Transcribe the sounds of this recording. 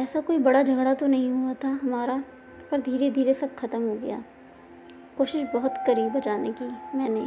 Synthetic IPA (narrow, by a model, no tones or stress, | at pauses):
ɛːsakoːibɐɽad͡ʒʱɐɡɽat̪onɐɦĩɦuat̪ʰaɦɐmaːɾa | pɐɾd̪ʱiːɾed̪ʱiːɾesɐbxɐt̪əmɦoɡɐja̰ː | koːʃɪʃbɐɦʊt̪kɐɾiːbːɐt͡ʃaːnekimɛ̃ːne